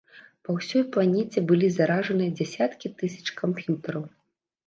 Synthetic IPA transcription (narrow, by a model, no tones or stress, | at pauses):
pɐwsʲɔjplˠanʲɛt͡sʲɛbɨlʲizaɾaʐɐnɨjɐd͡zʲɛsʲat̪kʲit̪ɨsʲɐ̥t͡ʂkampjut̪ɐɾɐw